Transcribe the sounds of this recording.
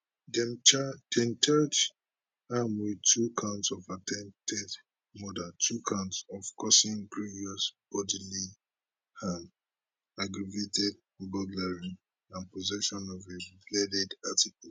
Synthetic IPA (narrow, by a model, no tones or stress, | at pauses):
dɛd̥ɛ̃mt͡ʃat͡ʃ | hamwidtʰukʰãʊ̃ntsɔvatʰɛ̃mtʰɛd | mɔdatʰukʰãʊ̃ntsɔv̥kʰɔsĩŋkɹiɹiɔsb̥ɔdili | hãn | aɡɹavetɛd̚ | ɔɡɔɡlaɹĩn | ãnpɔzɛʃɔ̃nɔveblɛdɛdatikul